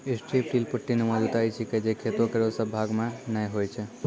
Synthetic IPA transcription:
esʈɾipʈilpəʈːinemod͡ʒut̪ajt͡ʃʰiked͡ʒekʰet̪okeɾosəbʱaɡmãnəɦojt͡ʃʰe

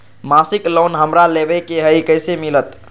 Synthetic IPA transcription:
masiklonɦəmɾalebɛkeɦəikəjsemilət̪

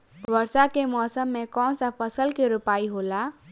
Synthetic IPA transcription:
ʋəɾsakemɔːsəmːẽkɔ̃ːnsapʰəsəlkeɾʊpaːiɦola

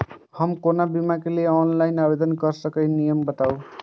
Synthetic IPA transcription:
hamkonabimakeleeɔnlajnabed̪ɔnkʌɾsʌkʌjnijɔmbʌt̪aw

